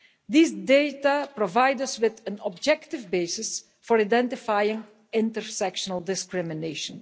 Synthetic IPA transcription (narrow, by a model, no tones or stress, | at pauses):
d̪isdejtapɾɔvajdəswɪd̪ə̃nɔbd͡ʒɛktɪvbesɪs | fɔɹidɛ̃ntɪfajɪ̃ŋ | ɪ̃ntəɹsɛkʃənəlˠdɪskɹɪmɪneːʃə̃n